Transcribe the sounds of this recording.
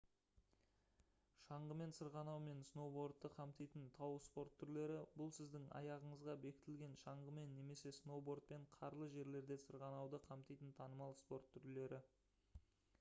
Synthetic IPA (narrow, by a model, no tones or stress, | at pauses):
ʃɑɴʁəme̞nsəɾʁɑnɑwme̞nsno̞wbo̞rt̪ːəqʰɑmt̪ejt̪ənt̪ʰɑwspo̞ɾt̪ʰːʏɾle̞ɾɪbʊlˠsɪzd̪ɪŋɑ̰jɑʁəɴəzʁɑbe̞kʲɪ̥t̪ɪlɡʲe̞nʃɑɴʁəme̞nːe̞me̞se̞sno̞wbo̞rt̪̚pe̞ɴqʰɑɾlˠəʒe̞ɾle̞ɾd̪e̞səɾʁɑnɑwd̪əqʰɑmt̪ejt̪ənt̪ʰɑnəmɑlˠspo̞rt̪ʰːʏɾle̞ɾɪ